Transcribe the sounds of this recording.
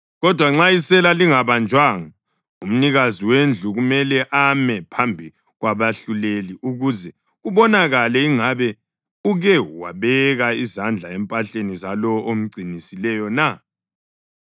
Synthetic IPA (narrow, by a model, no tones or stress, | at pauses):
ɣɔd̥ʱwaŋ͡ǁaisɛlaliŋaβand͡ʒʱwaŋa | um̩niɣaziwend͡ɮʱuɣumɛlɛʔamɛpʰambʱi | ɣwaβaɬuleliʔuɣuzɛ | ɣuβɔnaɣalɛiŋaβɛ | uɣɛwa̰βɛɣaizand͡ɮʱaɛmpʼaɬenizalɔɔʔom̩ɡ͡ǀʱinisilɛjɔna